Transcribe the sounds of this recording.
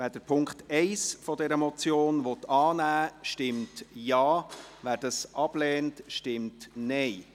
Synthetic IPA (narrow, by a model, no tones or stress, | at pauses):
ʋæːd̥əɾpʰʊŋktɛɪsfɔdɛɾəmɔt͡sjoːnʋɔtɑːnæːʃtɪmtjɑːʋæːɾd̥ɑsʔɑb̥lɛːntʃtɪmtnɛɪ